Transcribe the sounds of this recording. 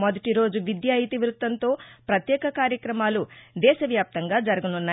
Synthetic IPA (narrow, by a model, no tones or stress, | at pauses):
mɐd̪ɐʈiɾo̞ːd͡ʒuʋid̪jaːɦit̪iʋɾut̪ʋɐnt̪o̞ːpɾɐt̪jɛːkɐkaːɾjɐkɾɐmaːlud̪ɛːʃɐʋjaːp̚t̪ɐŋɡaːd͡ʒɐɾuɡununːaː